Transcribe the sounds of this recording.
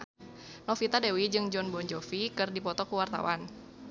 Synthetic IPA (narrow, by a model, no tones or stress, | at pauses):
nɔfit̪adewid͡ʒɨŋd͡ʒɔnbɔɲd͡ʒɔfikɨrdipɔt̪ɔkuwart̪a̰wan